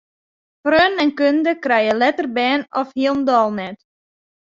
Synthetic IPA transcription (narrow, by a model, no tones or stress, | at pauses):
frøːnɛnkøndəkrɛjəlɛtərbɛːnɔfhiəlˠndɔlˠnɛt